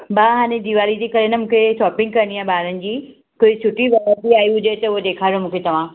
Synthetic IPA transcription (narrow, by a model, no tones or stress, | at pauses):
baːɦaːɽ̃ed̪iʋaːlid͡ʑeːkɐɾenɐmũːkʰeʃɔːpɪ̃ŋɡ̚kɐɾəniaːbaːɾənɪ̆d͡ʑiː | kʊːɪt͡ɕʰʊʈiʋɐɾat̪iaːiɦʊd͡ʑet̪ɐʊɦod̪eːkʰaːɾijomũːkʰet̪ɐʋ̤ãː